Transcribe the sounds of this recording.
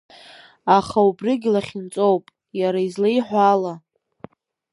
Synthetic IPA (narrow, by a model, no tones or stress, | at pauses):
aχaubrɪɡʲɪlaχʲɪnt͡sʼowpʼ | jaɾaizlajħʷala